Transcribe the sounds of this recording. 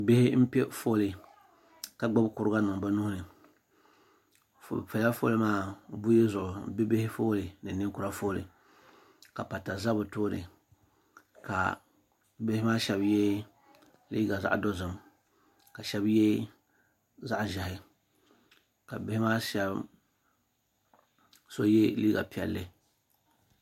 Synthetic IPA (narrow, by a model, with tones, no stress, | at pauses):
bɪ˦hɪ˦m̩˦pɛ˦fo˦lɨ˨ | ka˨ɡ͡ba˦bkʊ˨ɾɨ˦ɡa˦nɨ˨ŋ˨ba˦nʊ˦hʊ˦nɨ˨ | fo̰˨bpɛ˨˦a˦fo̰˦lɨ˦maː˦bʊ˦jɛ˦zʊ˨ʔʊ˨˦bɪ˦be˦hɪ˦foː˦lɨ˨nɨ˨nɨ˦kʊ˨ɾa˦foː˦lɨ̰˨ | ka˨pa˨ta˨za˦bʊ˨toː˦nɨ̰˨ | ka̰˨ | bɪ˦hɪ˦maː˦ʃɛ˦bjɛ˦ | liː˦ɡa˨za̰˦ʔdo˦zɨ˨m | ka˨ʃɛ˦bjɛ˦ | za˦ʔʒɛ˨hɪ˦ | ka˨bɪ˦hɪ˦maː˦ʃɛ˦b | so˦je˦liː˦ɡa̰˨pi˨ɛ̰˨lːɨ˦